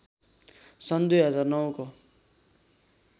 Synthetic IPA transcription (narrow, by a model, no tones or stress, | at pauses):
sʌnd̪ujɦʌd͡zarnʌwko